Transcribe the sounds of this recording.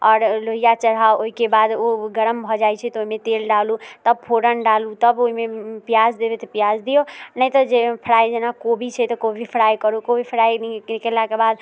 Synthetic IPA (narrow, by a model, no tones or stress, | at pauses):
ɔːɾloɦijat͡ʃəɾɦaoɦikebad̪oɡəɾəmbʱɔd͡ʒajt͡ʃʰɛt̪ɔoɦimet̪elɖalut̪əb̚pʰoɾənɖalut̪əboɦimepijazd̪ebet̪ɔpijazd̪ijonəjt̪ɔd͡ʒepʰəɽajd͡ʒenakobʱit͡ʃʰɛt̪ɔkobʱipʰɽajkəɾukobʱipʰəɾajnikelakebad̪